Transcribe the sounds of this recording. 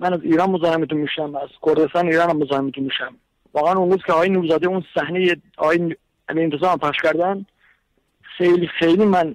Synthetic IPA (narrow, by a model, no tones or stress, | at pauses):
mænæziːɾɑːnmozɑːhemit̪unmiːʃæmæz̥kʰoɾd̪est̪ɑːneiːɾɑːnæmːozɑːhemit̪unmiːʃæm | vɒːɣeænʊnɾuːzkʰeɒːɣːjenuːɾzɑːd̪eunsæhnejeɒɣɑːjen | æmient̪ʰezɑːmpʰæχʃkæɾd̪æn | xejlixejlimæn